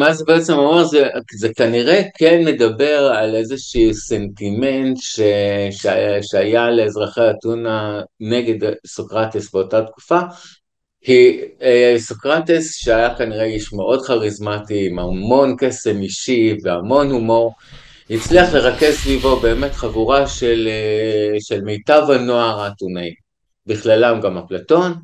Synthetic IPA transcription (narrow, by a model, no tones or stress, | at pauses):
mazebeet͡semamaʁzekizekaniʁekʰenme̞dabe̞ʁalezeʃisentimentʃeʃʃeajale̞ːzʁaχeatunaneɡe̞dsokʁatesbeotatku̥fa | hi | sokʁatesʃeajakaniʁeiʃmeʔo̞dχaʁizmatiːmamo̞nke̞semiʃive̞amo̞nhumo̞ʁ | hit͡sliaχle̞ʁake̞zsvivo̞be̞ːme̞tχaɡuʁaʃeleʃelme̞jtavanoaʁaːtunai | biχlalamɡamaplato̞n